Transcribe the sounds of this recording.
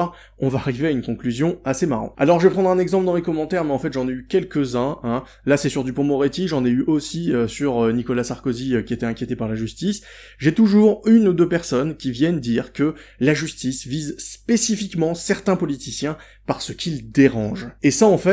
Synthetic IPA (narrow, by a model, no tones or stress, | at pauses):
ɔ̃vaːʁiveaynkɔ̃klyzjɔ̃asemaʁɑ̰̃t̪a̰lɔʁʒəvɛpχɑ̃d̪ʁɛ̃nɛɡzɑ̃pləd̪ɑ̃mekɔmːɑ̃t̪ɛʁmɛɑ̃fɛt̪ʒɑ̃neykʲɛlkʲəzɛ̃ɛ̃ | lasɛsyʁd̪ypɔ̃mɔʁet̪iʒɑ̃neyʔosiøsyʁønikɔlasaʁkoziøkʲiet̪ɛɛ̃kʲjet̪epaʁlaʒyst̪is | ʒet̪uʒuʁynud̪øpɛʁsɔnkʲivjɛnd̪iʁkəlaʒyst̪isvizspesifikmɑ̃sɛʁt̪ɛ̃pɔlit̪isjɛ̃ | paʁsəkʲʰild̪eʁɑ̃ʒesaɑ̃fɛ